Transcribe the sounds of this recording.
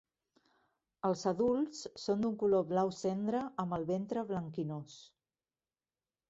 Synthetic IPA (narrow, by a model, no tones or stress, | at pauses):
əlˠzəðulˠssːond̪uŋkuloβlawsɛnd̪ɾəəmbəlˠβent̪ɾəβləŋkinos